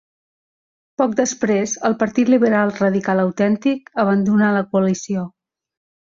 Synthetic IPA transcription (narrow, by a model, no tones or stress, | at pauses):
pɔk̚d̪əspɾezəlˠpəɾt̪it̪liβəɾalˠrəðikaləwt̪ɛnt̪ikəβ̞ənd̪unaləkuəlisio